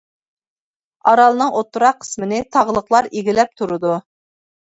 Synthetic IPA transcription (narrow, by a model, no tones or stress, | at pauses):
ɑɾɑlˠɨnɨŋʔot̪ːuɾɑqʰːə̥smɪnɪt̪ʰɑʁlˠəqlˠɑɾiɡʲilɛp̚t̪ʰuɾɨd̪u